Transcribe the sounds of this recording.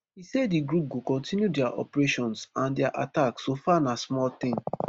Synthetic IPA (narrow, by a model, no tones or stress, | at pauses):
hisɛddiɡɹup̚ɡokɔ̃ntĩnjudɛaʔɔ̰pɹeʃɔ̃nsãndɛaʔa̰taksofanasmɔlt̪ɪ̃ŋ